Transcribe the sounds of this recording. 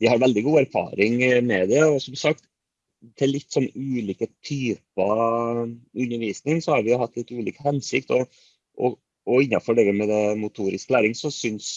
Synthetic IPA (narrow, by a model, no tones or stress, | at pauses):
ʋɪhɑɾʋɛld̪ɪɡuːæɾfɑ̰ːɾɪŋmɛd̪ɛɔsɔmsɑk̚t̪ | t̪ʰːɪlːɪt̪ːsɔnʉːliːkət̪ʰyːpɑ | ʉnːəɾʋiːsnɪŋsɔhɑɾʋɪjʊhɑt̪ːlɪt̪ʉːlḭːkə̥hɛnsɪkt̪ɔ | ʔɔ | ɔɪnːɑfɔɖɛɡəmɛd̪ɛmʊt̪ʰuːɾɪskəlæːɾɪŋsɔsʏns